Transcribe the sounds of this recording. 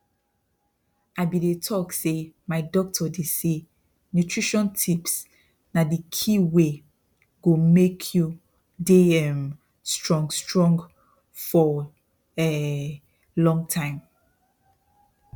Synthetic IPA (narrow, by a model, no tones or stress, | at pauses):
aɪbidetʰɔksemaɪdɔk̚tʰɔdese | njutʰɹiʃɔ̃ntʰips | nadikʰiwe | ɡ̥omekʰju | deɛm | stɹɔ̃ŋɡstɹɔ̃ŋɡ | fɔ | ɛ | lɔ̃ŋɡtʰãɪ̃m